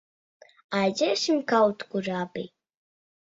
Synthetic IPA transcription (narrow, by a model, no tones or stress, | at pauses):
ajzʲɛːsimkawt̪kuɾaːbi